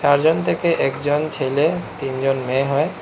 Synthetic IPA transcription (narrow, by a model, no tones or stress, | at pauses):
saɾd͡ʑɔnt̪ʰekeʔekd͡ʑɔnt͡ɕʰelet̪ind͡ʑɔnmẽɦɔe